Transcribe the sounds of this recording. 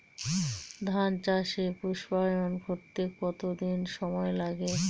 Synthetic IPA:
d̪ʱant͡ɕaʃepuʃbajonɡʱoɾt̪ekɔt̪od̪inʃɔmɔelaɡe

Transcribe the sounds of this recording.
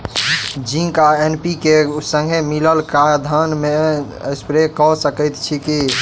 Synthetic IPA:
d͡ʒĩkaenpikesə̃ŋɡʱemiləlkad̪ʱənme | əspɾekɔsəkəjt̪t͡ʃʰiki

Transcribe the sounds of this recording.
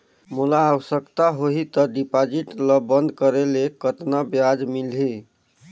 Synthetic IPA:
mulaːwəsəkt̪aɦoɦit̪əɖipad͡ʒiʈləbənd̪ʱkəɾelekət̪nabjad͡ʒmilɦi

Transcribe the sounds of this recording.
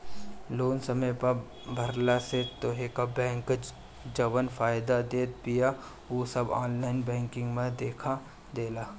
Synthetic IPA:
loːnsɐməjpɐ | bʱɐɾlaset̪oɦekabɛ̃ːŋk | d͡ʒɐʋənfaːjd̪ad̪eːt̪̚pɪja | oːsɐba̰ːnlaːɪnbɛ̃ːŋkɪ̃ŋɡmẽd̪eːkʰa | d̪eːlaː

